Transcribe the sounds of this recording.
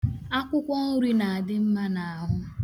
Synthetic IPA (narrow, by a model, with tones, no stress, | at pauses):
a˦kʷʊ˦kʷɔ˦ŋʊ˦ɾi˦na˨a˨dɪ˦m̩˦ma˦na˨a˨ɦʊ˦